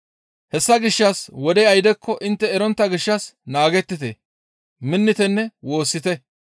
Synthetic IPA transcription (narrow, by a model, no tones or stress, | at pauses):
hɛsːɐɡɪʃːɐswɔd̪ɛjɐjd̪ɛkʰːɔʔɪnt̪ːɛːɾɔnt̪ːɐɡɪʃːɐsnaːɡɛt̪ːɪt̪ḛ | mɪnːɪt̪ɛnːɛwo̞ːsːɪt̪ɛ